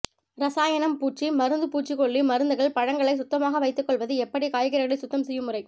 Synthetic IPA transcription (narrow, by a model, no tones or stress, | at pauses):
ɾɐsaːjɐnɐmpuːʈt͡ʃːimɐɾɯnd̪ɯpuːʈt͡ʃːikɔɭːimɐɾɯnd̪ɯɣɐɭpɐɻɐŋɡɐɭɐɪsʊt̪ːɐmaːɣɐʋɐɪt̪ːɯkːɔɭʋɐðɯɛpːɐɽikaːjɐɣɪɾɐɣɐɭɐɪsʊt̪ːɐmsɛjːɯmɯrɐɪ